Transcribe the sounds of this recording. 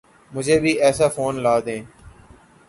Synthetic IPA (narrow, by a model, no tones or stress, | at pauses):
mʊd͡ʒʱeːbʱiːɛːsaːfoːnlaːd̪ẽː